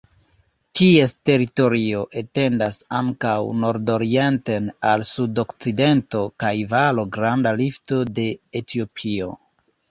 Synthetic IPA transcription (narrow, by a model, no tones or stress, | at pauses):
kie̞ste̞ɾito̞ɾio̞ʔete̞ndasaŋkawno̞ɾdo̞ɾie̞ntenalsudo̞kt͡side̞nto̞kajvalo̞ɡɾandalifto̞de̞ːtʰio̞pʰio̞̰